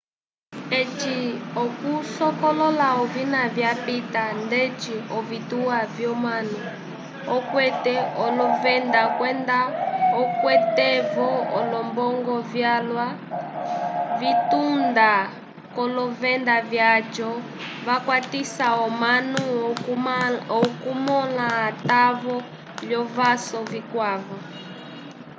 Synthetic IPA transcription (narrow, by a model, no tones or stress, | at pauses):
et͡ʃiɔkusɔkɔlɔlaɔvinavjapitandɛt͡ʃiɔvituavjɔmanu | ɔkwɛtɛɔlɔvɛndakwɛndaɔkwɛtɛvɔɔlɔmbɔŋɡɔvjalwa | vitunda | kɔlɔvɛndavjad͡ʒɔ | vakwatisaɔmanu | ɔkumɔlaːtavɔ | lɔvasɔvikwavɔ